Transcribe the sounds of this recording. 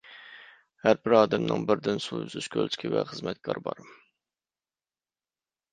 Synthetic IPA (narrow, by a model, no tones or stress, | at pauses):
hæɾbɪɾɑːd̪ɛmnɨ̰ŋbɪɾd̪ɪnsuyzyʃkʲʰø̰lʲˠt͡ʃʰɪ̥kʲʰivɛχəzmɛt̪̚kʰɑɾbɑɾ